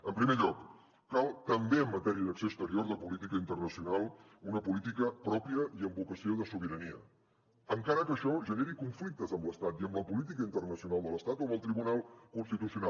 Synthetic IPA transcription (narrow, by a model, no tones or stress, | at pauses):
əmpɾimeʎɔkː | alˠt̪əmbeəmːət̪ɛɾiəðəksoəst̪əɾioɾðəpulit̪ikəint̪ərnəsiunalˠ | unəpulit̪ikəpɾɔpiəʔiəmbukəsioðəsuβ̞iɾəniə̰ | əŋkaɾəkəːʃɔʒəneɾikuɱflik̚t̪əzəmləst̪at̪iəmbləpulit̪̬ikəint̪ərnəsiunalˠd̪ələst̪at̪oməlˠt̪ɾiβunalˠkunst̪it̪usiuna